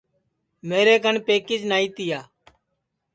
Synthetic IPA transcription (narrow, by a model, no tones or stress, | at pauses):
meːɾeːkənpeːkɪd͡ʒnaːiːt̪ɪjaː